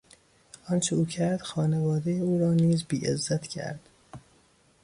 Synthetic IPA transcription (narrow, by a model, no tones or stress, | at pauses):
ʔɒnt͡ʃʰeuːcʰæɾd̪̥xɒːnevɒːd̪ejeuːɾɒːniːzbiːʔḛzːæt̪ʰcʰæ̰ɾd̪̥